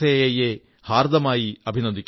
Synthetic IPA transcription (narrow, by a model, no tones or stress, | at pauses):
ejejeː | haːɾd̪ɐmaːjiɐbʱinɐd̪ikː